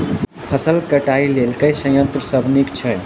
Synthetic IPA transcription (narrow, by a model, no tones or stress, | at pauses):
pʰəsəlkəʈailelkəjsə̃jə̃nt̪ɾəsəbʱnikt͡ʃʰə